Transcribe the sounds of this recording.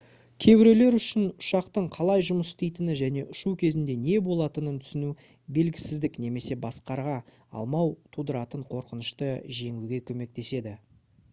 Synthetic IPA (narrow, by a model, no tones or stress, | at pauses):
kʲʰe̞bɪɾe̞le̞ɾʏʃɪnʊʃɑqt̪əɴqʰɑlˠɑjʒʊməsst̪e̞jt̪ɪnɪʒæne̞ʔʊʃukʲʰe̞zɪnd̪e̞ne̞bo̞lˠɑt̪ənənt̪ʰʏ̥sɪnu | be̞lɡʲɪsɪzd̪ɪkne̞me̞se̞bɑsqɑɾʁɑ | ɑ̰lˠmɑwt̪ʰud̪əɾɑt̪əɴqʰo̞ɾqənəʃt̪əʒe̞ŋuɡʲe̞kʲʰɵme̞k̚t̪e̞se̞d̪ɪ